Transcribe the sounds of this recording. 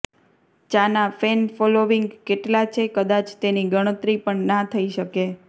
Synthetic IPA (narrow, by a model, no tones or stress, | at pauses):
t͡ʃanafenfɔloʋiŋɡkeʈlat͡ʃʰekəd̪at͡ʃt̪eniɡəɽ̃ət̪ɾipəɳnat̪ʰəiʃəke